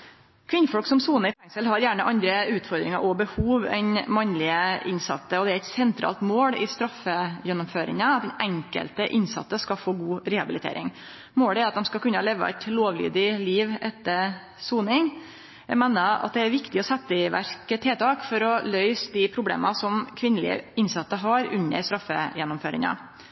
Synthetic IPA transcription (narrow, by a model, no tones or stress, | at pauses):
kʰʋɪnːəfɔlksɔmsuːnəɾfɛŋsəlhɑɾjæːɳəʔɑnd̪ɾəʉːt̪fɔɾd̪ɾɪŋɑ̰ɾʔɔbəhuːʋɛ̰nmɑnlɪəʔɪnsɑ̰t̪ːəɔd̪ɛæɾɛt̪sɛnt̪ʰɾɑ̰ːlt̪moːlɪst̪ɾɑfːəjɛnːɔmføːɾɪ̰ŋəɑt̪d̪ɛnʔɛŋkə̰lt̪əʔɪnsɑ̰t̪ːəskɑfoːɡuːɾɛhɑbɪlɪt̪ʰḛːɾɪ̰ŋ | moːɽəæɾɑt̪d̪ɛmskɑlkʉnːəleːʋə̰ɛ̰t̪loːʋly̰ːd̪ɪliːʋɛt̪ːəɾ | suːnɪŋ | æmɛːnəɑ̰t̪̚d̪ɛæɾʋɪkt̪ɪɔsɛt̪ːəʋæ̰ɾkət̪ʰeːt̪ʰɑːkfɔɾɔlœʏsd̪ɪpʰɾʊblḛːmʔɑsɔmkʰʋɪnːəlɪə̰ɪnsɑt̪ːəɦɑɾʉɲːə̰ɾst̪ɾɑfːə̰jɛnːʊmføːɾɪ̰ŋɑ̰